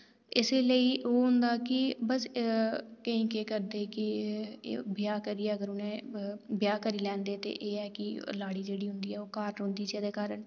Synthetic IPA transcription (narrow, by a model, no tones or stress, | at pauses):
ɪseːləiːʔoːɦʊ̃nd̪aːkɪbəs | kəĩːkeːkəɾd̪eːkɪ̰ | bɪjaːkəɾiːɛːəɡəɾʊnẽːbjaːkəɾiːlɛ̃ːnd̪eːt̪ḛːʔeːɛːkɪlaːɽiːd͡ʒeːɽiːɦʊ̃nd̪iːɛːoːkaːɾɦʊ̃nd̪iːd͡ʒeːd̪eːkaːɾəɳ